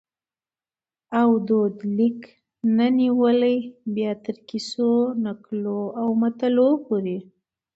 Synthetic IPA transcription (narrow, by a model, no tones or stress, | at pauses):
awd̪od̪lik | naniwələjbjɑt̪əɾkisonakloawmat̪alopoɾi